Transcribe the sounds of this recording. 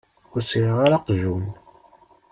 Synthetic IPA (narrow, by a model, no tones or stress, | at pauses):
ʊɾsiʁaɾaqʒun